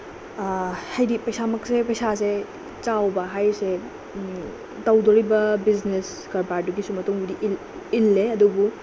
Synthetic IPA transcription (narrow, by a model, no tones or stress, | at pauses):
hɐjdipɐjsamɐk̚sepɐjsase | t͡ʃawbɐɦajse | tɐwdoɾibɐbiznes | kɐɾbaɾduɡisumɐtuŋbɐdiʔl | ilːeɐdubu